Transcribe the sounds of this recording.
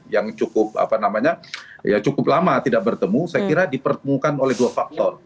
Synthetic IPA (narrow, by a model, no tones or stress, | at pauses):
jaŋt͡ʃukʊp̚a̰panamaɲajat͡ʃukʊp̚lamat̪idak̚bərt̪əmusajakiɾadipərt̪əmukanolɛhduafak̚t̪ɔr